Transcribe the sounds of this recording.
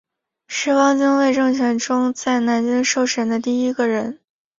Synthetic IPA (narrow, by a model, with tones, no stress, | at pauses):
ʂɻ̩˧˥fɑ˥ŋt͡ɕi˥ŋwe˥˧ɪʈ͡ʂɤ˥˩ŋt͡ɕʰɥɛ˧˥nʈ͡ʂʊ˥ŋt͡sa˥˩ɪna˧˥nt͡ɕi˥ŋʂo˥˩ʊʂjɛ˧˥nd̪ə˧t̪i˥˩i˥ɡə˧ɻə˧˥n